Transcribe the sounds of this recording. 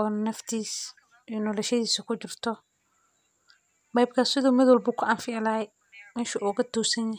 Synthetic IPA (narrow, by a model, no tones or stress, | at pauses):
ɔːnɐft̪ʰiːs | ɛnɔːlɛʃɐðiːsɐkʰʊt͡ʃɪrt̪ʰɔ | bɑjb̚kʰasɪðuːmɪðwɐlbʊːkʰʊʔɐnfɪɐla | mɪnʃuʔɔːɣɐt̪ɔːsɐnjɐ